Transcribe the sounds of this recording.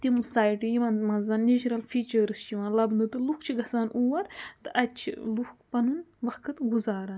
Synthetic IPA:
t̪imsaːjʈijiʋɐnmɐzɐnnid͡ʒɾɐlfʰiːt͡ʃɐɾɨst͡ʃʰiʋɐnlɐbnd̪ɨt̪ɨlukt͡ʃʰiɡɐsaːnuːwɐɾt̪ɨʔɐt̪̚t͡ʃʰḭluxkpɐnunʋɐxkʰɨt̪ɡuzaːɾɐːn

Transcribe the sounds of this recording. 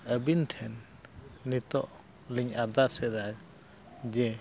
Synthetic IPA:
əbinʈʰɛnː | it̪ɔʔ | liŋaɾd̪aɾsɛd̪ak | d͡ʒɛ

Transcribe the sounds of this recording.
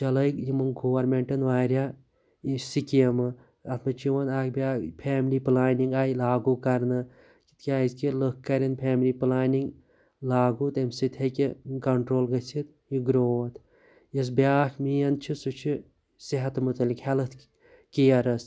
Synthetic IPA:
t͡ʃɐlɐkjimɨnɡoʋɐɾmeɳʈɐnʋaːɾʲjaː | sikijɐmɨ | ɐt̪ʰmɐt͡ʃʰiʋɐnaːkbʲaːpʰeːmliplaːniŋɡaːjlaːɡuːkɐɾnɨ | ki̥t̪kʲaːizkilɨkkːɐɾinpʰʲeːmliːplaːniŋɡ | laːɡuːt̪ɐmsit̪ʰʲɐkikɐɳʈɾoːlɡɐt͡sʰit̪ | jiɡɾoːt̪ʰ | jɐs̬bʲjaːkmiːjɐnt͡ʃʰisut͡ʃʰi | siɦɐt̪mut̪ɐlikhelɐt̪ʰ | kijɐɾɐs

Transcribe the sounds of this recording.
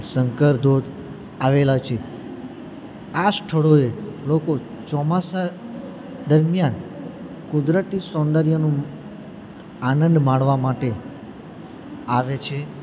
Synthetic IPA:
səŋkəɾd̪od̪ | aʋelat͡ʃʰe | asʈʰəɭoeloko | t͡ʃɔmasa | d̪əɾmjan | kud̪ɾət̪isõnd̪əɾijənũ | anə̃nd̪mãɳʋamaʈe | aʋet͡ʃʰe

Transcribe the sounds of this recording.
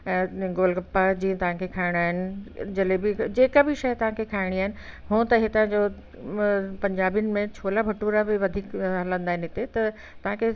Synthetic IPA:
ɡoːlkɐpːad͡ʑiːə̃t̪ɐʋ̤ãkʰekʰaːɪɽ̃aːɦɪnɪ̆d͡ʑɐlebɪd͡ʑeːkabɪʃɐjt̪ɐʋ̤ãkʰekʰaːɪɽ̃iaːɦɪnɪ̆ɦũːt̪ɐɦet̪ɐãd͡ʑo | pɐ̃ɲd͡ʑaːbiʊnɪ̆mẽt͡ɕʰoːlabʱɐʈuːɾabɪʋɐd̪ʱiːkɦalə̃nd̪aːɦɪnɦɪt̪et̪ɐ | t̪ɐʋ̤ãkʰe

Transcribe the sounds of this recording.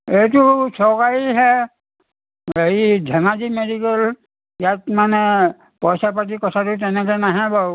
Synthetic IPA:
etusɔkaiɦɛ | eidʱɛnazimedikel | jatmanɛ | pɔjsapat̬ikɔtʰatut̬ɛnɛkɛnaɦɛ̃bɔ

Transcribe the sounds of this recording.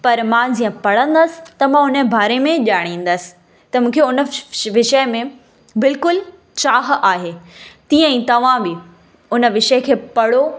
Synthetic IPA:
pɐɾmãd͡ʑiːə̃pɐɽ̤ə̃nd̪əsɪ̥t̪ɐmãʊnəbaːɾemẽʄaːɽ̃ĩːn̆d̪əsɪ̥ | t̪ɐmũːkʰeʊnə̆ʋɪʃəmẽ | bɪlkʊl | t͡ɕaːɦaːɦeːt̪ĩːə̃ɛĩːt̪ɐʋ̤ãbɪ | ʊnəʋɪʃəkʰeːpɐɽ̤o

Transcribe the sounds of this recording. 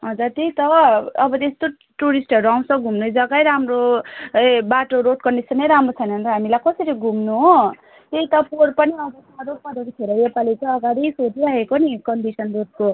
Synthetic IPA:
ɦʌd͡zurt̪eit̪ʌʌbʌt̪est̪o | ʈuɾisʈɦʌɾuaw̃t͡sʰʌɡʱumnojd͡zʌɡajɾamro | baʈoɾoʈ̚kʌnɖisʌneɾamrot͡sʰʌjnʌnɾʌɦamilajkʌsʌɾiɡʱumnuɦo | t̪eit̪ʌporpʌniʌbʌsaɾopʌɾekot̪ʰeɾʌjepalit͡saʌɡaɽisod͡ziɾakekonikʌnɖisʌnroʈ̪̚ko

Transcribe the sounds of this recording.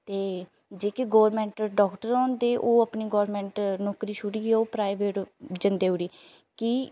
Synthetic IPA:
t̪eː | d͡ʒeːkeɡoːɾmɛ̃ːɳʈɖɔːkʈəɾɔ̃ːnd̪eːʔoːəpniːɡɔːɾmɛ̃ːɳʈnɔːkɾiːʃʰʊɽiːoːpɾaːɪʋeːʈd͡ʒənd̪eːuːɽiː | ki

